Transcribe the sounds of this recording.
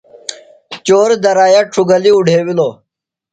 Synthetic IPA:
t͡ɕoːɾd̪ɐɾaːjaʈ͡ʂʰuɡɐliuɖʱeːwiloː

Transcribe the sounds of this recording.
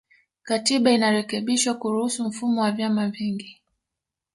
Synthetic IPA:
katiɓainaɾɛkɛɓiʃwakuɾuhusum̩fumɔwavjamaviŋɡi

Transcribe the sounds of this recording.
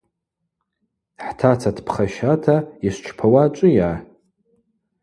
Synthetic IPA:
ħtʰat͡sʰatʰpʰχaʃatʰaist͡ʃʷʰpʰawat͡ʃʷʼɨja

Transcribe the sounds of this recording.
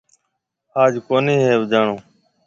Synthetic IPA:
aːd͡ʒkoːniːɦeːbd͡ʒaːɳõː

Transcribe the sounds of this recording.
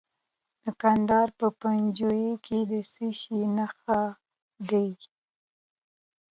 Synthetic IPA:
d̪̥əkand̪ɑɾpəpand͡ʒojekʰed̪əsiʃinaxa | d̪aj

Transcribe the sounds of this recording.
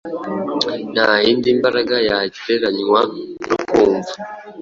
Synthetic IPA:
n̥haːjiːndimbaɾaɡajaːɟiɾe̞ɾaɲŋwanukuːɱvu

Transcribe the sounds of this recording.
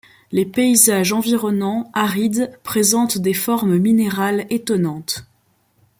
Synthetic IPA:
lepeizaʒɑ̃viʁɔnɑ̃aʁid̪pχezɑ̃t̪d̪efɔʁmmineʁalet̪ɔnɑ̃t̪

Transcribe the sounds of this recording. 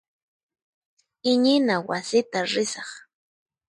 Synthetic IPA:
ɪɲɪnawasɪt̪aɾɪsɑχ

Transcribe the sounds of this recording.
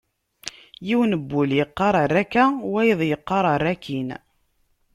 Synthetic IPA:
jiwnəbːuljəqːɑɾˤɑrˤːækːæwæjəðˤjəqːɑɾˤɑɾˤækːin

